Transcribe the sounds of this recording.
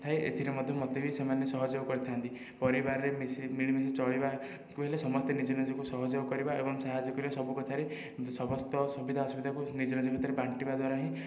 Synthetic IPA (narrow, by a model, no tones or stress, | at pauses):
t̪ʰaeḛt̪ʰiɾemɔd̪ʱjɔmɔt̪ebisemanjɔsɔɦɔd͡ʒɔwkɔɾit̪ʰant̪i | pɔɾibaɾɔɾemisimiɭ̃imis̬it͡ʃɔɭiba | kuɦelasɔmɔst̪enid͡ʒɔnɔd͡ʒɔkusɔɦɔd͡ʒɔkɔɾibaebɔŋsaɦad͡ʒɔkɔɾibasɔbukɔt̪ʰaɾe | sɔbɔst̪ɔsubid̪ʱaɔsubid̪ʱakunid͡ʒɔnɔd͡ʒɔkʰɔt̪ɔɾebaɳʈibad̪waɾaɦĩ